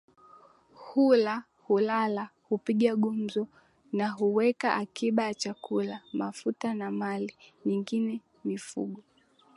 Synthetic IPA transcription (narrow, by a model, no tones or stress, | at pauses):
hula | hulalahupiɠaɠum̩zɔ | naɦuwɛkaʔakiɓajat͡ʃakulamafutanamaliɲiŋɡinɛ | mifṵɠɔ